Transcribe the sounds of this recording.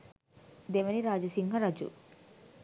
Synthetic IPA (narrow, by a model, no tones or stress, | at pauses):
d̪eʋɐniɾaːd͡ʒɐsiŋɡɐɾɐd͡ʒṵ